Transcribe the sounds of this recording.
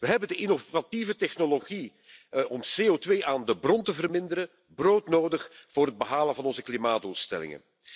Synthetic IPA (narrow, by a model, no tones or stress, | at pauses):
ʋəɦɛbəndəʔɪnovativətɛxnoloɣi | ʔɔmseːotʋeːʔaːndəbrɔntəvərmɪndəɾə | broːtnoːdəxv̥ʊːrɦəd̚bəɦaːlənvɑnɔnzəklimaːdduːlˠstɛ̰lɪ̰ŋə̰n